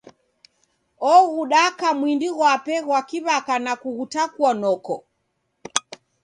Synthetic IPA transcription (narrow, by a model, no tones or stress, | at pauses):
ɔɣuɗakamwindiɣwapɛɣwakiβakanakuɣutakwɔnɔkɔ